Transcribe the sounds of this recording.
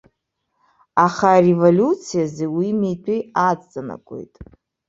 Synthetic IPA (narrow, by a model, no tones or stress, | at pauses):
aχaːrevolʲut͡sʰijazewimejtʼʰiat͡sʼt͡sʼana̰kʷʼo̞̰jtʼ